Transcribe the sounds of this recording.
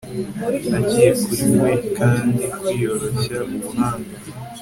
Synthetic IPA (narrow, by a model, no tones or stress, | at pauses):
naɟijekuɾimwekaːndikijoɾoʃamumuhaːŋɡa